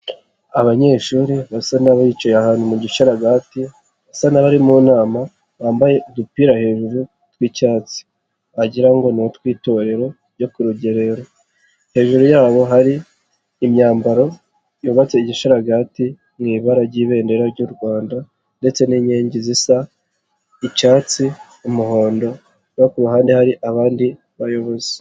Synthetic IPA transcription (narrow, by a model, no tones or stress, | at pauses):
aβaɲe̞ːʃuːɾiβasanaβait͡ʃojahaːnhumuɟiʃaɾaɡati | βasanaβaɾimuːnaːma | βaːmbajedupiɾahe̞ʒuɾu | twiːcaːt͡si̥ | aɟiɾaŋɡo̞notkwiːto̞ɾe̞ɾo̞ | ɾɟo̞kuɾuɟeɾe̞ɾo | he̞ːʒuɾujaːβo̞ɦaɾiː | mɲaːmbaɾo̞ | juːβat͡seiɟiʃiɾaɡaːti | ŋɡiːβaɾaɾɟiːβe̞ːnde̞ɾaɾɟuɾɡwaːnda | nde̞t͡se̞niːɲeːɲɟizisa | icaːt͡si | umuho̞ːndo̞ | wakuβaɦaːndihaɾiʔaβaːndi | βajo̞βo̞ze